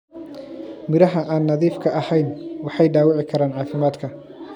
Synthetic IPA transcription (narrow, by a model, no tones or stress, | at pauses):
mɪɾɐɦɐʔaːnːɐðiːfkʰɐɐhɛjnwɑħɑjɖaːwɑʕɪkʰɐɾaːnʕɑːfɪmaːd̪kʰɐ